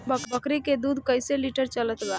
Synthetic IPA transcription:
bbəkɾiked̪uːd̪ʱkəjseliʈəɾt͡ʃələt̪ɡa

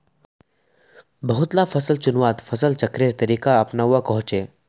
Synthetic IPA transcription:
bɐɦʊt̪lafʰəsəlt͡ʃʊnʋaːt̪fʰɐsəlt͡ʃɐkɾeɾt̪əɾiːkaɐpnaʊakɐɦʊ̃t͡ʃeː

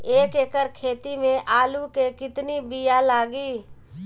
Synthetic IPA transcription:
eːkeːkəɾkʰeːt̪imẽʔaːlukekɪt̪nibijalaːɡiː

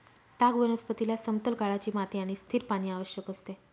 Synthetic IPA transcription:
t̪aɡʋənəspət̪ilasəmt̪əlkaɭat͡ɕiːmat̪iaɽ̃ist̪ʰiːɾpaɽ̃iːaʋəɕjəkəst̪e

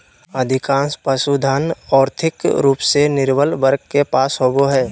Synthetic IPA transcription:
əd̪ʱɪkãːspəsud̪ʱaːnɔːɾt̪ʰɪkɾuːpsenɪɾbəlʋəɾɡ̚kepaːsɦoːɡoɦɛː

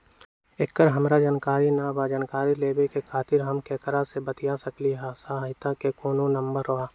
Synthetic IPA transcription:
ekːəɾɦəmɾad͡ʒankaːɾinabad͡ʒankaːɾileːbekekʰaːt̪ɪɾɦɐmkɛːkəɾasebət̪ijasəkliɦasaɦɦɪt̪akekoːnõnə̃mbəɾoaː

